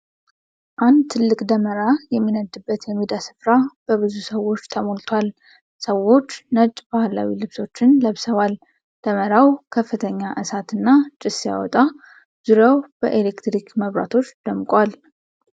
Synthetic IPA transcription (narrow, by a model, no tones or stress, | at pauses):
ʔand̪t̪ʰɨlːɨkʼd̪əməɾajɛmːinəd̪ɨbːət̪jɛmːid̪asɨ̥fɾab̥əβɨzusəwːo̞t͡ʃːt̪ʰəmolt̪ʰwal | səwːo̞t͡ʃːnət͡ʃʼbahla̰wilɨβso̞t͡ʃːɪnləβsəβal | d̪̥əməɾawkʰəfːɨt̪ʰəɲːaʔɨsat̪ʰɨnːat͡ʃʼɪsja̰wɔ̰t̪ʼa | z̥ɨɾəwb̥əʔelekt̪ɾikməβɾa̰t̪ʰo̞t͡ʃːd̪̥əmkʼwal